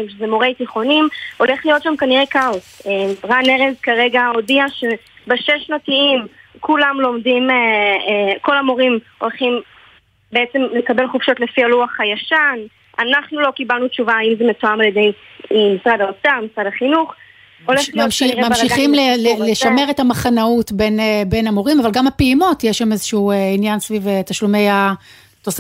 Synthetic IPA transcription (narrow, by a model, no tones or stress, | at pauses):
mʃezemoʁejtiχo̞nimo̞le̞χlijo̞tʃamkaniʁekaoseʁaneʁezkaʁe̞ɡaodiaʃe | beʃeʃnatiimkulamlo̞mdime | ko̞lamo̞ʁimo̞lχim | beet͡semlekabe̞lχufʃo̞tle̞fialuaχhajaʃan | anaχnulo̞kibalnut͡ʃuvaːimzemetoamaljede̞jmisʁadaotamisʁadaχinuχ | oleammaʃiχimleleleʃameʁetamaχanautbe̞nebe̞namo̞ʁimavalɡamapeimo̞tjeʃamezeʃueinjansvivetaʃlume̞ja | tos